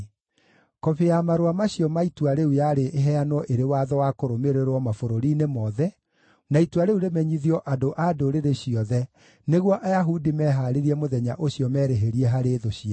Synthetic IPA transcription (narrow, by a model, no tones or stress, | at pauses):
kɔβeamaɾowamaɕjɔmaitwaɾeujaɾeʔeɦɛanɔʔeɾewaːðɔwakoɾomeɾeɾwɔmafoɾoɾiːnemɔðɛ | naitwaɾeuɾemɛɲiðiɔʔadoʔadoɾeɾeɕiɔðɛ | neɣwɔʔajaɦudimɛɦaɾeɾiɛmoðɛɲa̰ʔoɕiɔmɛːɾeɦeɾiɛɦaɾeðoɕiɛ